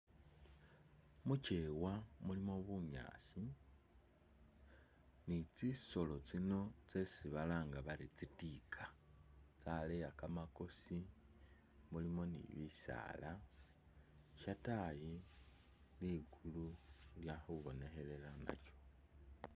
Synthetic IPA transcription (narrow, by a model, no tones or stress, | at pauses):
mut͡ʃewamulimo̞βumja̰ːsi | nit͡siso̞lo̞t͡sino̞t͡se̞siβalaːŋɡaβaɾit͡sitikʰḁt͡salejakamako̞si | mulimo̞nḭβisa̰ːla | ʃataji | liɡululjaxuβo̞ne̞xe̞le̞lana̰t͡ʃo̥